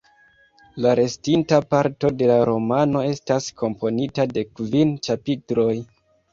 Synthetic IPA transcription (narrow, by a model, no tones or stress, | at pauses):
laɾe̞stintapaɾto̞de̞laɾo̞mano̞e̞staskʰo̞mpʰo̞nitade̞kvint͡ʃapitɾo̞j